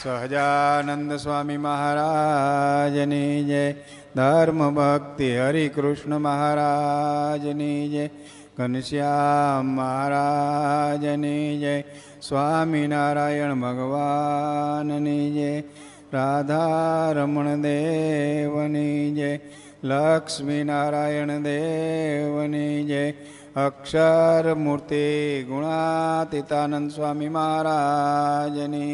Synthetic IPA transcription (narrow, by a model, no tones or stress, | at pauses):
səɦd͡ʒanənd̪əsʋaːmiməɦaːɾaː | d͡ʒənid͡ʒe | d̪ʱaɾməbʱəkt̪iɦəɾikɾʊʂɳəməɦaɾad͡ʒnid͡ʒe | ɡənʃjaː | ɐɦaːɾa | d͡ʒənid͡ʒe | sʋaːminaːɾaːjəɳbʱəɡʋa | nnid͡ʒe | ɾaːd̪ʱaɾɐmɐɳd̪eːʋənid͡ʒe | lɐkʂminaːɾaːjəɳd̪e | ʋənid͡ʒe | ɐkʂɐɾmuɾt̪iɡuɳat̪it̪aːnənd̪sʋaːmimaːaɾaːd͡ʒəni